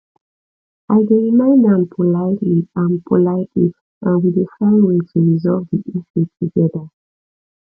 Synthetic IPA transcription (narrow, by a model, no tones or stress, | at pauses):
aɪdeɹimãɪ̃ndãnpʰolaɪtiãnpʰolaɪtʰit | ʔãnwidefaĩmtʰuɹizɔvdiʔiʃutʰuɡɛda